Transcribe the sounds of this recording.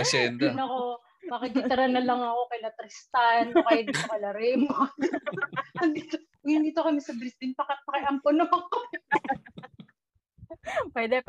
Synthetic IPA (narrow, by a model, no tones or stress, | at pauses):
ɐsɛd̪ɪnɐko | mɐkɐɡɪt̪ɾɐnɐlɐŋɐko̞kɐjlɐt̪ɾɪst̪anokajɐd̪ɪmokɐlɐɾɛmo | nd̪it̪o | ŋɪnd̪iːt̪okɐmɛsɐbɾɪsd̪ɪnpɐkɐt̪̚pɐkɪʔɐmpono | pwɛd̪ɛ